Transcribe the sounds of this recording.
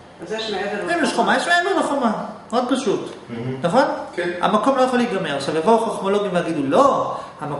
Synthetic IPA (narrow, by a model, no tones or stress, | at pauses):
azjeʃmeeveimliʃχomajeʃmeevdaχomaod̪̚paʃutnɐχo̞nkɛa̰mako̞mlo̞jaχoliɡameʁaʃavevoχaχmoloɡimveaɡidulohama